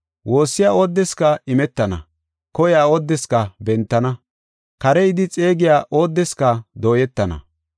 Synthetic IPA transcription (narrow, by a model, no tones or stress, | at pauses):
wʔo̞ːsːɪjaːoːd̪ːɛskɐɪmɛt̪ːɐnɐ̰ | kɔjaːoːd̪ːɛskɐbɛnt̪ːɐnɐ | kɐɾɛɪd̪ɪt͡sʼe̞ːɡɪjaːʔo̞ːd̪ːɛskɐd̪o̞ːjɛt̪ːɐnɐ̰